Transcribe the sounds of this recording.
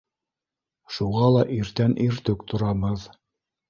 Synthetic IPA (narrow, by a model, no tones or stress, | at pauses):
ʃuʁɑlˠɑʔiɾt̪ænʔiɾt̪ɵkt̪ŏɾɑbɤð